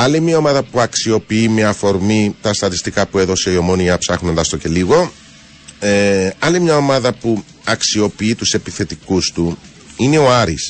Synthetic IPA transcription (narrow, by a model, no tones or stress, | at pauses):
ɐlimiɐo̞mɐðɐpuɐksio̞piimiɐfo̞ɾmit̪ɐst̪ɐt̪ist̪ikɐpue̞ðo̞se̞io̞mo̞niɐpsɐxno̞nd̪ɐst̪o̞ce̞liɣo̞ | eɐlimɲɐo̞mɐðɐpu | ɐksio̞piit̪use̞piθe̞t̪ikust̪u | ine̞o̞ɐɾis